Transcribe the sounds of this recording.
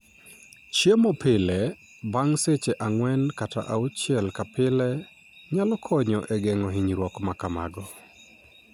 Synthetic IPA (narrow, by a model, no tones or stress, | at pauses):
t͡ʃjemopɪlɛ | baŋset͡ʃeʔaŋwɛnkata̰ʔaut͡ʃjɛlkapɪlɛ | ɲalɔkʰɔɲɔʔɛɡɛŋɔɦiɲɾwɔkmakama̰ɡɔ